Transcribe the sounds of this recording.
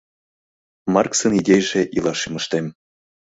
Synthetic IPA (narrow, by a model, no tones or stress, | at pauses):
mɑrksɤnidʲejʒeʔilˠɑʃimɤ̆ʃt̪em